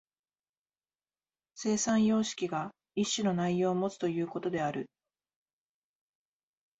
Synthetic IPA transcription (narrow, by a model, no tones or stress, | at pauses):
se̞ːsãɰ̃jo̞ːɕi̥kʲiɡa | iɕːino̞naijo̞ːmo̞t͡sɨ̥t̪o̞jɯ̟ːko̞t̪o̞d̪e̞aɾɯ̟